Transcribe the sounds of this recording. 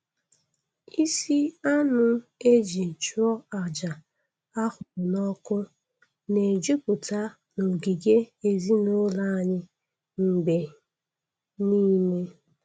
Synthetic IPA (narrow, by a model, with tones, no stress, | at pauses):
i˦si˦a˦nʊ˦e˦d͡ʒi˨t͡ʃu˦ɔ˦a˨d͡ʒa˨ | a˦hʊ˨nɔ˦kʊ˦ | ne˨d͡ʒu˦pʊ˨ta˦ | no˨ɡi˨ɡe˦e˨zi˦nʊ˦la˦˨ɲɪ˦ | ŋ̩˨ɡ͡be˨ | niː˦me˦